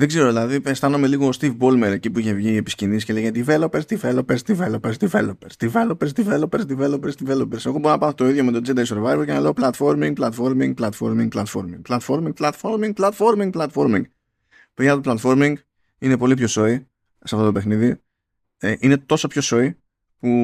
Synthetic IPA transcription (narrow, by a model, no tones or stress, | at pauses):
ðeɡze̞ɾo̞ðilɐðipest̪ɐnome̞liɣo̞ːst̪ivbolmeɾe̞cipuiçe̞vʝiːe̞piscinisceleɣeɐd̪ive̞lopeɾsd̪ivelo̞peɾzd̪ivelopeɾzd̪ivelopeɾsd̪ivelopeɾsd̪ivelopeɾsd̪ivelopeɾzd̪ivelopeɾseɣobo̞ɾonɐpɐnt̪oiðjo̞me̞t̪od͡zed̪ɐjso̞ɾvajvɐlcenɐle̞oplɐt̪fo̞ɾmiŋɡ̚plɐt̪fo̞ɾmiŋɡplɐt̪fo̞̰ɾmiŋɡplɐt̪fo̞̰ɾmḭŋɡplɐt̪fo̞ɾmiŋɡ̚plɐt̪foɾmiŋɡ̚plɐt̪fo̞ɾmiŋɡ̚plɐt̪fo̞ɾmiŋɡ | peɐt̪oplɐt̪fo̞ɾmiŋɡ | ine̞po̞lipço̞so̞i | sɐft̪ot̪ope̞xniði | eʔine̞t̪o̞sɐpço̞so̞i | pu